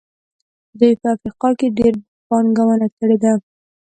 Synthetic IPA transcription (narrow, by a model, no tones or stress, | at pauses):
d̪ujpəafɾiqɑkeɖeɾ | pɑnɡawənakəɽed̪a